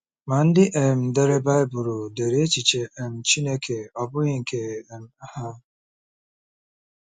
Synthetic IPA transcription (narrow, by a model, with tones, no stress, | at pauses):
ma˨n̩˦dɪ˦ʔe˨m̩˨de˨ɾe˦ba˦ɪ˦bʊ˨ɾʊ˨de˨ɾe˦e˦t͡ʃi˨t͡ʃe˨e˨m̩˨t͡ʃi˦ne˦kʰe˨ɔ˨bʊ˦ɲi˦ŋ̩˨kʰe˨m̩˨a˦ha˦